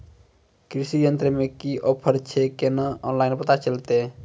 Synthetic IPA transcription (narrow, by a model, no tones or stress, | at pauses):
kɾisijənt̪ɾemekiʔɔpʰəɾt͡ʃʰekenaɔnlaɪnpət̪at͡ʃəlt̪e